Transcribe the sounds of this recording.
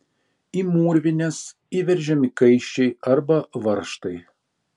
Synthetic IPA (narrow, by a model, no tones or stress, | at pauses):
iːmuːɾʲʋʲɪnʲɛs | iːʋʲɛɾʲʒʲɛmʲɪkɐɪʃʲt͡ʃʲɛɪɐɾbɐʋɐɾʃt̪ɐɪ